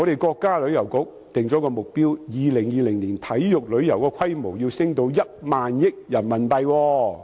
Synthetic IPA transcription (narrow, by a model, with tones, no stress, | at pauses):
ŋɔ˨˧ɾe˨jkɔː˧kːaː˥lɵ˨˧ɥjɐ˨˩wkʊ˨˥k̚ | t̪ɪ˨ŋt͡sɔː˨˥kɔː˧mʊ˨k̚piː˥wjiː˨˧lɪ˨˩ŋjiː˨˧lɪ˨˩ŋliː˨˩nt̪ʰɐ˨˥jjʊ˨k̚lɵ˨˧ɥjɐ˨˩wkɔː˧kʷʰɐ˥jmo˨˩wjiː˧wsɪ˥ŋt̪o˨˧wjɐ˥t̚maː˨njɪ˥k̚jɐ˨˩nmɐ˨˩npɐ˨jwɔː˧